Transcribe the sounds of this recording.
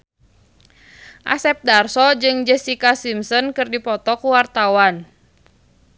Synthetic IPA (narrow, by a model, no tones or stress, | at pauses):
ʔa̰sɛp̚darsɔd͡ʒɨŋd͡ʒɛsikasimsɔnkɨrdipɔt̪ɔkuwart̪awan